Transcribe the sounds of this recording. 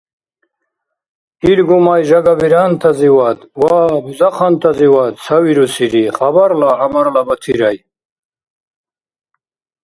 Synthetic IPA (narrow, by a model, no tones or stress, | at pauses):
ilɡumajʒɐɡabiɾaːnt̪ʰɐziwat̪waːbuzaqʰant̪ʰɐziwat̪sawiɾusiɾiχɐbɐɾlaːmɐɾlabɐt̪ʰiɾaj